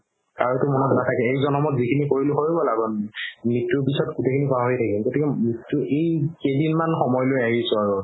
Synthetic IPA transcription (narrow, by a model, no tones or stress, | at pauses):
kaɹutʊmɔnɔtnatʰakɛekzɔnɔmɔtzikʰinikoɹilʊxoɹibɔlaɡɔnmitːuɹpisɔtɡutʰekʰinikɔaɦojtʰakimkotikɛmɹitːʊʔejkedinmanxɔmɔjlojaɦisʊaɹu